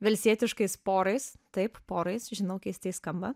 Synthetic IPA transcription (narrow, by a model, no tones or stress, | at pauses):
ʋʲɛlʲsʲiɛt̪ʲɪʃkɐɪspoːɾɐɪst̪ɐɪppoːɾɐɪsʒʲɪnɐʊkʲɛɪst̪ʲɐɪskɐmbɐ